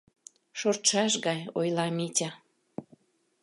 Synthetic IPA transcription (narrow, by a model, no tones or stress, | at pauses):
ʃort̪ʃɑʃɣɑjojlɑmitʲɑ